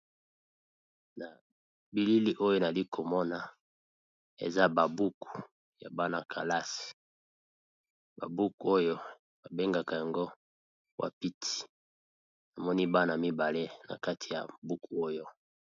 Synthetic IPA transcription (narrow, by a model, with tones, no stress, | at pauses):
na˨ | bi˨li˦li˦ʔo˦jo˦na˨li˦kʰo˨mɔ˦na˨ | ḛ˨za˦ba˨bu˦ku̥˨ | ja̰˨ba˦na˨kʰa˨la˦si̥˨ | ba̰˨bu˦ku˨o˦jo˦ | ba˨be˦ŋɡa˨ka˨ja˨ŋɡo˦ | wʔa̰˨pi˦tʰi̥˨ | na˨mɔ˦ni˦ba˦na˨mi˦ba˨le˦na̰˨ka˦tʰi˨ja̰˨bu˦ku˨o˦jo˦